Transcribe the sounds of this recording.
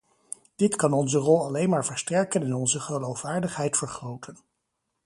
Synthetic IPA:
d̥ɪtkɑnɔnzərɔlˠɑlejnmaːɹvəɹstɛɹkənɛnɔnzəχəlowfʋaːɹdəχɦɛjtfəɹχrowtʰən

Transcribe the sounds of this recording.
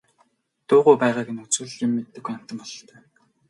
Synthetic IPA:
t̪ʊːʁʊjpæːʁaːkĕnut͡sɘ̆ɮɪmːet̪ːɘ̆ɡujam̥t̪ə̆mpɔɮɞ̆ɬt̪ʰœː

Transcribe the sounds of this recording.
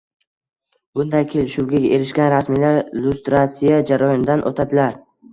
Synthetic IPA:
b̥ʊnd̪ajkʲʰelʃʊɡʲaɡʲe̞ɾɪʃkʲanɾasmilaɾlʊst̪ɾat̪sijad͡ʒaɾɒjɒnd̪anʔo̰t̪ʰad̪ɪlaɾ

